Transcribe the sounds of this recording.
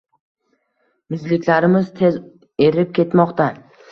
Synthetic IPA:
mɪzlɪkʲlaɾɪmɪzt̪ʰe̞z | e̞ɾɪp̚kʲʰe̞t̪mɒqt̪a

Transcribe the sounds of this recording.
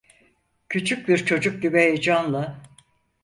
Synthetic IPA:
cʰyt͡ʃʰyc̚biɾt͡ʃʰo̞d͡ʒuk̚ɟ̪ybeed͡ʒanlˠɯ

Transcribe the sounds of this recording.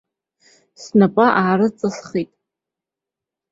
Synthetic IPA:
snapʼaʔaːrɨt͡sʼasχitʼ

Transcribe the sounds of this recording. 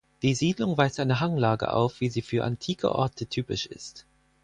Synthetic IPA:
d̥iːziːdlʊŋvaɪstʔaɪnəɦaŋlaːɡə̰ʔa̰ʊfv̥iːziːfyːɐʔa̰ntʰiːkʰə̰ʔɔ̰ɐtʰətʰyːpɪʃʔɪ̰st

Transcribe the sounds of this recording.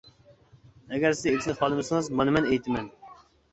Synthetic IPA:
ɛɡʲɛɾsɪzekʲʰszχɑlˠɨmɨsɨŋɨzmɑnɨmɛnejt̪ʰɪmɛn

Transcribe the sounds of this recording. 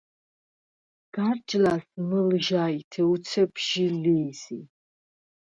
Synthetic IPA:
ɡ̥art͡ʃʼlasmɨlʒaitʰɛut͡sʰɛpʰʃiliːsi

